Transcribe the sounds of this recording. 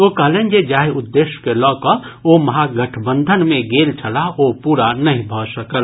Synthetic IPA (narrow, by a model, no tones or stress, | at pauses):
oːkɐɦlẽːnd͡ʒed͡ʒaːɦeʊd̪ːeːʃkelɔːkɔomɐɦaɡəʈʰbə̃nd̪ʱənmẽɡeːlt͡ʃʰəlaoːpuːɾanɐɦĩbʱɔːsəkəl